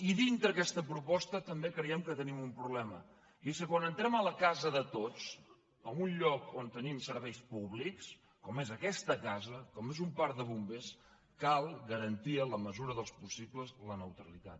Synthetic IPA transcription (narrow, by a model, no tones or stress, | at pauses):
iðint̪ɾəːkɛst̪əpɾupɔst̪ət̪əmbekɾəjɛmkət̪ənimumpɾuβlɛmə | esəkwanənt̪ɾɛmələkazəðət̪ot͡s | əmunʎɔkont̪ənimsəɾβɛjspuβliks | kɔmezəkɛst̪əkazəkɔmezumpaɾðəβumbes | kalˠɣəɾənt̪iələməzuɾəðəlˠspusipləzlənəwt̪ɾəlit̪a̰t̪